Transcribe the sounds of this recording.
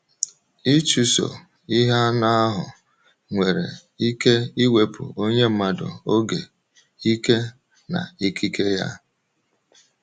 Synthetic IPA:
i˦t͡ʃu˦so̰˨ | i˦ɦa˦na˦a˦ɦʊ̰˨ | ŋʷe˨ɾḛ˨ | i˦ke˦i˦we˦pʊ̰˨o˦ɲe˦m̩˦ma˦˨dʊ̰˨o˦ɡe˨ | i˦ke˦ | na̰˨i˦ki˦ke˦ja̰˦

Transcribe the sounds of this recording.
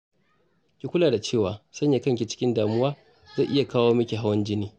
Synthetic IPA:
kʲi˨kʷʊ˦laː˨da˨t͡ʃeː˦˨waː˨sɐ˦ɲja˨kɐ˦ŋkʲi˨t͡ʃɪ̥˦kʲɪ˦ndaː˨mʊ˦waː˦ | zɐ˦˨ʔɪ˦ja˨kaː˦woː˦mɐ˦kʲe˨ɦa˦wɐ˦nd͡ʒɪ˦niː˦

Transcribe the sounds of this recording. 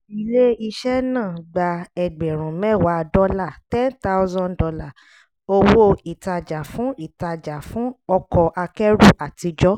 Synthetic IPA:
i˦˧le˦i˧ʃɛ˦nãː˦˨ɡ͡ba˧ɛ˨ɡ͡bɛ˨ɾ̃ũ˨mɛ̃˦˨wa˨˦dɔ˧˦la˦˨tɛ̃˦nta˦ʊ˦zɔ̃˧ndɔ˧la˦˨ | o˧wo˦i˨ta˧d͡ʒa˨fũ˨˦i˦˨ta˧d͡ʒa˨fũ˦ɔ˧kɔ˧ʔa˧kɛ˦ɾu˦˨ʔa˨ti˧d͡ʒɔ˦

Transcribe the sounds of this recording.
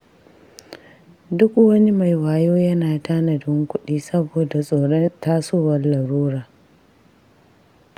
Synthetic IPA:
dʊ˦kwɐ˦ni˦ma˨jwaː˨joː˦jɐ˦naː˨ta˦nɐ˨dɪ˦ŋkʷʊ˦ɗiː˦sɐ˦boː˨da˨sʼoː˨ɾɐ˦taː˦soː˦˨wɐ˦rlɐ˨ɾuː˦ɽaː˨

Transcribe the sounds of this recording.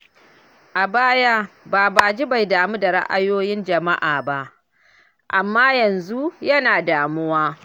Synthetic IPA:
ʔa˨baː˦ja˦baː˨baː˨d͡ʒi˦ba˨jdaː˨mu˦da˨ɽa̰˦ʔa̰˦joː˦jɪ˦nd͡ʒɐ˨ma˦ʔaː˨ba˦ʔ | ʔa˨mːaː˦jɐ˨nzu˦jɐ˦naː˨daː˨mʊ˦waː˦

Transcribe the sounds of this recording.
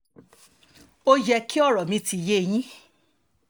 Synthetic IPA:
o˦jɛ˧ki˦ɔ˦˨ɾɔ˨mĩ˧ti˧je˦˨j̃ĩ˦

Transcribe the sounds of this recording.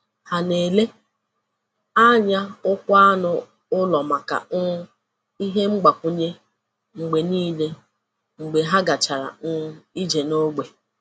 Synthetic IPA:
ha˨ne˨le˦ | a˦ɲa˦ʊ˦kʷʊ˦a˦nʊ˨ | ʊ˦lɔ˨ma˨ka̰˨˦ | i˦ɦe˦ŋ͡m̩˦ɡ͡ba˨kʷʊ˦ɲe˦ | ŋ͡m̩˨ɡ͡be˨niː˦le˦ | ŋ͡m̩˨ɡ͡be˨ɦa˦ɡa˨t͡ʃa˨ɾa̰˨n̩˦i˦d͡ʒe˨no˦ɡ͡be˨

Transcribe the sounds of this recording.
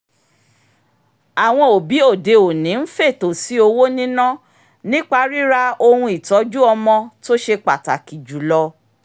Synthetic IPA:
a˨w̃ɔ̃˧o˨bi˨˦o˦˨de˧o˨nĩ˨˦n̩˦fe˦˨to˨si˨˦o˧wo˦nĩ˦nã˦ | nĩ˦k͡pa˧˦ɾi˦ɾa˧o˧hũ˧i˨tɔ˨˦d͡ʒu˦ɔ˧mɔ̃˧to˦ʃe˧k͡pa˨ta˨ki˨d͡ʒu˨lɔ˧

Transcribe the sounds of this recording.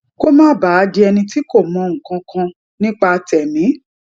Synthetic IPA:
ko˦mãː˦ba˨˦a˧di˧ɛ˧nĩ˧ti˦ko˦˨mɔ̃˨˧ŋ̩̃˨kã˧kʰã˧ | nĩ˦k͡pa˧tɛ˨nĩ˨˦

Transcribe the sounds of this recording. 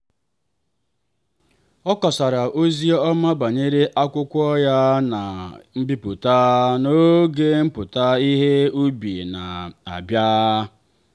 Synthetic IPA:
ɔ˦kɔ˨sa˨ɾa˨ʔo˦zi˦ɔ˦ma˦ba˨ɲe˦ɾe˦ʔa˦kʷʊ˦kʷɔ˦ja˦na˨m̩˦bi˦pʊ˨ta˦no˦ɡe˦m̩˦pʊ˨ta˦i˦ɦe˦u˦bi˨na˨a̰˨bja˦

